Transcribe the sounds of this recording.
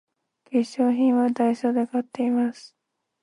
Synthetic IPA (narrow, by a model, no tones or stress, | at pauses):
pʲiɕo̞ːçĩɰ̃βad̪aiɕoːd̪e̞kat̪ːe̞imasɨ̥